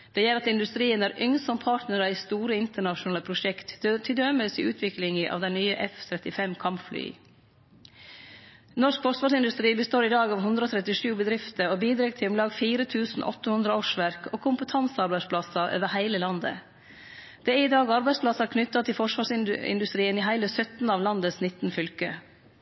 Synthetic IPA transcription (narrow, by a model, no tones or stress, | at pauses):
d̪̥ɛjɛɾɑt̪ɪnd̪ʉst̪ɾiːənæɾʔʏŋsɔmpʰɑːʈnəɾəiːst̪uːɾəɪnt̪əɳɑʃʊnɑːləpʰɾʊʂɛkt̪t̪ʰɪld̪øːməsḭʉːt̪ʰʋɪklɪŋəʔɑ̰ːʋd̪ɛɪnyːəʔɛft̪ʰɾɛt̪ɪfɛmkʰɑmpfly̰ː | nɔʂkfɔʂʋɑːɾsɪnd̪ʉst̪ɾiːbəst̪oːɾiːd̪ɑːɡɑːʋɦʉnd̪ɾoːt̪ʰɾɛt̪ɪʂʉːbəd̪ɾɪft̪əoːbiːd̪ɾeɡt̪ʰɪmlɑːɡfiːɾət̪ʰʉːsn̩ʔɔ̰t̪ːəhʉnd̪ɾəɑʂʋæɾkoːkʰʊmpət̪ʰɑnsɑɾbæɪspʰlɑsɑʔø̰ːʋəɾhæɪləlɑnd̪ə̰ | d̪̥ɛæɾɪd̪ɑːɡɑɾbæɪspʰlɑsɑkʰnʏt̪ːɑt̪ʰɪlfɔʂʋɑːʂɪɪ̰nd̪ʉst̪ɾiːəniːɦæɪləsœt̪n̩ɑːʋlɑnd̪əsnɪt̪n̩fʏlkə